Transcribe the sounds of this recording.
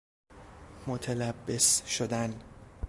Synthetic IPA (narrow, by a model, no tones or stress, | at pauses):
mot̪ʰelæbːesʃod̪æn